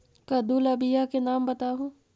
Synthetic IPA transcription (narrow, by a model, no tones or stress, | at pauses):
kɐd̪ulɐbijakenaːmbɐt̪aːɦũː